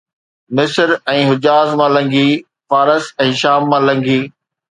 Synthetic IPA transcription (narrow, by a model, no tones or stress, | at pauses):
mɪsəɾɛ̃ːɦʊd͡ʑaːzmãlɐ̃ŋɡiː | faːɾəsɛ̃ːʃaːmːãlɐ̃ŋɡʱiː